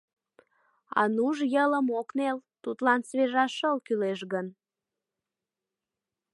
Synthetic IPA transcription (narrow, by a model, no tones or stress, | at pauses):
ɑ̰nuʒjələmoknelt̪ut̪lɑnsβeʒɑʃəlkyleʃɣən